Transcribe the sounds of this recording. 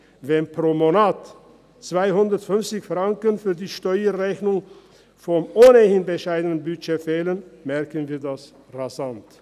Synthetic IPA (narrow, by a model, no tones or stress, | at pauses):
vɛnpʁ̥omonaːt | t͡sv̥aɪhʊndɐtfʏnft͡sɪçfʁ̥aŋkənfyːɐdiːʃtɔʏəʁɛçnʊŋ | fɔmʔoːnəhɪnbəʃaɪdənənbyt͡ʃeːfɛːlənmɛɐkənviːɐdas | ʁazant